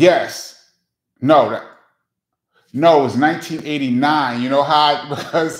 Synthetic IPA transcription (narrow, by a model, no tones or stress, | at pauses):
jɛs | noʊð̰ | noʊt̚wʌznãɪ̃ntʰĩnʔeɪɾinãɪ̃njɨnoʊɦaʊɪbʌz̥